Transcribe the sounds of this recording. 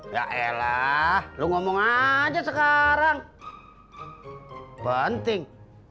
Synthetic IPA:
ja̰ʔelahluŋomɔŋad͡ʒasəkaɾaŋ | pənt̪ɪŋ

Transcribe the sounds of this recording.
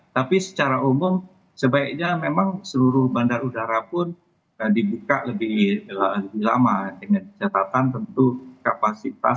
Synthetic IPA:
t̪apisə̥t͡ʃaɾaʔumʊm | səbaik̚ɲamemaŋsəluɾʊhbandaɾudaɾapʊn | ədibuka̰ʔləbɪhələbɪhla̰madəŋant͡ʃat̪at̪ant̪ənt̪ukapasit̪a̰

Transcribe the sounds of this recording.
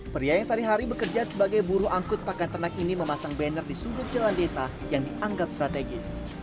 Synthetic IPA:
pəɾiajaŋsaɾiɦaɾibəkərd͡ʒasəbaɡajbuɾuʔaŋkʊt̪̚pakant̪ənakiniməmasaŋbɛnərdisudʊt̪̚d͡ʒəlandesa | jaŋdiʔaŋɡap̚st̪ɾat̪eɡɪs

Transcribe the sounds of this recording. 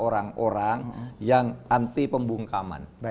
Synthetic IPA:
oɾaŋoɾaŋjaŋant̪ipəmbuŋkama̰nb

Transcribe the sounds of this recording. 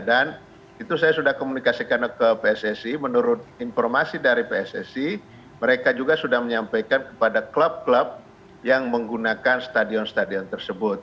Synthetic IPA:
dan | it̪usajasudahkomunikasikankəpeɛsɛsimənuɾʊt̪̚infɔrmasidaɾipeɛsɛ̰si | məɾekad͡ʒuɡasudahməɲampajkankə̥padaklap̚klap̚ | jaŋməŋɡunakanst̪adiɔnst̪adiɔnt̪ərsəbʊt̪̚

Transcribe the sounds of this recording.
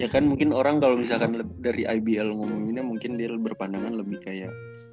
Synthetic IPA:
jakanmuŋkɪnoɾaŋkalobis̬akanədaɾiʔa̰jbiɛlŋomumiɲamuŋkɪndiabərpandaŋanləbɪhkajaʔ

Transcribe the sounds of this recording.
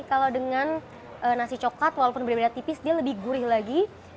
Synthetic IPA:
kalawdəŋan | ʔənasit͡ʃoklat̪walawpʊnbəɾabadat̪ipɪsdialəbɪhɡuɾɪhlaɡi

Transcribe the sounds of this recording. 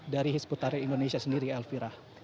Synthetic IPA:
daɾiɦisput̪aɾiindonesiasəndiɾiɛlfiɾa

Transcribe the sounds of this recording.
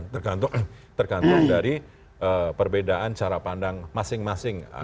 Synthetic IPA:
t̪ərɡant̪ʊt̪ərɡant̪ʊŋdaɾi | əpərbedaʔant͡ʃaɾapandaŋmasɪŋmasɪŋ̰

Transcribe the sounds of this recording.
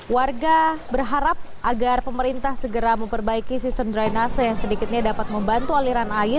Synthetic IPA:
warɡabərɦaɾap̚ʔaɡarpəməɾint̪ahsəɡəɾaməmpərbaikisist̪əmdɾajnasəjaŋsədikɪt̪̚ɲadapat̪̚məmbant̪ualiɾanaɪr

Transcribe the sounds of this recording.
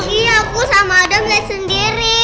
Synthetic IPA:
ɦijakusamadamlasəndiɾi

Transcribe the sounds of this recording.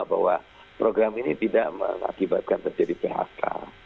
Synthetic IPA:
ba̰wa̰ | pɾoɡɾaminit̪idaʔmə̰ŋa̰kibat̪̚kant̪ərd͡ʒadipeɦa̰kʰa̰

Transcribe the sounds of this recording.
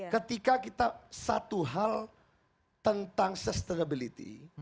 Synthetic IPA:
kət̪ikakit̪asat̪uɦal | t̪ənt̪aŋsist̪enəbilit̪ḭ

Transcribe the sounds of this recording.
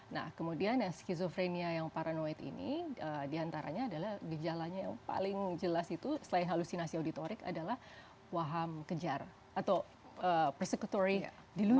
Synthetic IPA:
na̰hkəmudianskizofɾeniajaŋpaɾʔanoɛt̪ḭnḭədiant̪aɾa̰ɲaːdalahɡəd͡ʒalaɲaja̰ŋpa̰lɪŋd͡ʒəlasit̪usəlaɪnɦalusinasiawdit̪oɾɪka̰dalah | waɦamkəd͡ʒar | at̪aw | əprɛsəkut̪oɾidilu

